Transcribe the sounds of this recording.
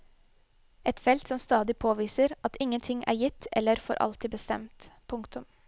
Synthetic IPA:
ɛt̪fɛlt̪sɔmst̪ɑːd̪ɪpʰoːʋiːsəɾɑt̪ɪŋənt̪ʰɪŋʔæ̰ːɾjɪt̪ɛ̰lːəɾfɔ̰ɾʔɑ̰lt̪iːbəst̪ɛ̰mt̪pʰʊŋkt̪ʉm

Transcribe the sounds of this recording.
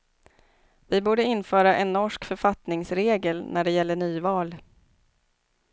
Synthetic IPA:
vɪbuːɖəɪnfœːɾaʔɛnːɔʂkfœɾfat̪nɪŋsɾeːɡəlnʔæɖɛjɛlːəɳyːvɑːl

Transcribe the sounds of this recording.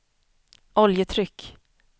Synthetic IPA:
ʔɔljət̪ʰɾʏkː

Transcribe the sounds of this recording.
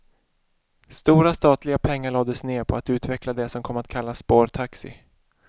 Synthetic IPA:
st̪uːɾast̪ɑːt̪lɪɡapʰɛŋːaɭɑːd̪əsneːɾpʰɔat̪ʉ̟ːt̪vɛklad̪ɛsɔmkʰɔmːat̪kʰalːaspoːɾt̪ʰaksɪ̰

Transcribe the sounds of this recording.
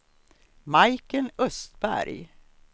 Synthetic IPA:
majkənœst̪bæ̰ɾj

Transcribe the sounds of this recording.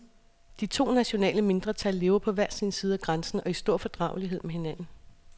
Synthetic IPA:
d̥it͡sʰo̝̰ːnæɕo̝nɛ̰ːləme̝nd̥ʁɐt͡sʰælːe̝ːʊɐpʰɒ̽ʋæɐ̰siːnsiːð̞ˠæɡ̥ʁɑnsn̩ɒ̽isd̥o̝ɐ̰fɒ̽d̥ʁɑ̈ʊliɦe̝ð̞̰ˠmehe̝næn̰n̩

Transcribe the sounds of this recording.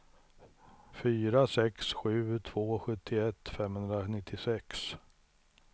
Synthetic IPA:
fyːɾasɛksɧʉ̟ːt̪ʰvoːɧɵt̪ʰːɪɛt̪ːfɛmhɵnd̪ɾanɪt̪ʰːɪsɛks

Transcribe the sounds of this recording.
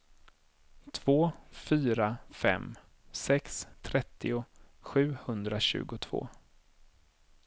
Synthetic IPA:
t̪ʰv̥oːfyːɾafɛ̰m | sɛkst̪ʰɾɛt̪ːɪʊɧʉ̟ːhɵnd̪ɾaɕʉ̟̰ːɡʊt̪ʰv̥o̰ː

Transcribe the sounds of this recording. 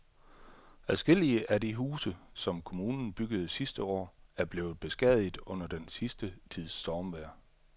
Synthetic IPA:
æðˠsɡ̥e̝l̰iəʔædiɦuːsəsɒ̽mkʰo̝muːnn̩b̥yɡ̥əð̞̩ˠsisd̥əɒ̰ːæɐb̥le̝ːʊð̞̩ˠb̥e̝sɡ̥ɛðˠið̩ˠɔ̽n̰ɐd̥ensisd̥ət͡sʰið̞̰ˠsd̥ɒːmʋæɐ̰

